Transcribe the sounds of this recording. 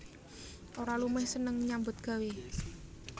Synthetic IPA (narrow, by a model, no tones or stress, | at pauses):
ʔoɾalumɪhsənəŋɲambʊt̪̚ɡ̥ä̤we